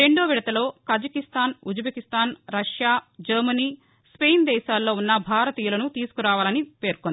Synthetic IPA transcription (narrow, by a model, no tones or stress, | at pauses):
e̞ɳɖoːʋiɽɐt̪ɐlo̞ːkɐd͡ʒɐkist̪aːnud͡ʒbʱekist̪aːnɾɐʂjaːd͡ʒɐɾmɐniː | spejnd̪ɛːʃaːlːo̞ːunːɐbʱaːɾɐt̪iːjɐlɐnut̪iːsu̥kuɾaːʋaːlɐnipe̞ːɾkond̪